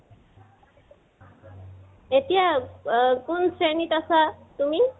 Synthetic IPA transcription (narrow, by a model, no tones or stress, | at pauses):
etija | kʊnsɹenitasatumi